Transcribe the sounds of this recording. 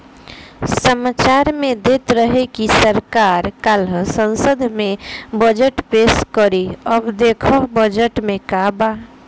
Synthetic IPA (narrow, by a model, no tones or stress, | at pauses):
səmaːt͡ʃaːɾmẽd̪eːt̪ɾəɦekisəɾkaːɾkalɦsə̃nsəd̪ʱmẽbəd͡ʒəʈpeskəɾiəbd̪ekʰəbəd͡ʒəʈmẽkaba